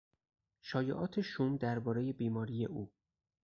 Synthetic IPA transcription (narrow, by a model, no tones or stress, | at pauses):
ʃɒːjeʔɒːt̪ʰe̞ʃumd̪æɾbɒːɾeje̞biːmɒːɾijeʔuː